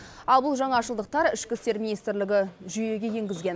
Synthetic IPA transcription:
ɑlˠbʊlˠʒɑɴɑʃəlˠd̪əq̚t̪ɑɾɪʃkʲɪst̪e̞ɾmʲinijst̪ɾlɪɡʲɪʒyje̞ɡʲe̞je̞ŋɡʲɪzɡʲe̞n

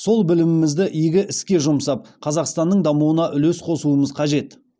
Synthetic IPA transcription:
so̞lˠbɪlɪmɪmɪzd̪ɪʔijɡʲɪʔɪskʲe̞ʒʊmsɑp̚qʰɑzɑqst̪ɑnːəɴd̪ɑmuənɑʔʏle̞sqʰo̞suəməzqʰɑʒe̞t̪

